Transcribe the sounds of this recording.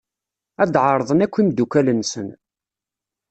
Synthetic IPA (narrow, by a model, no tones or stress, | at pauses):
æd̪ʕəɾˤðˤənækʷːimd̪ukælənsən